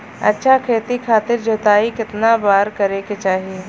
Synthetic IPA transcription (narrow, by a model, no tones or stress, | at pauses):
ɐ̰tːʃʰakʰeːt̪ikʰaːt̪ɪɾd͡ʒot̪aːikɪt̪nabaːɾkɐɾeket͡ʃaːɦie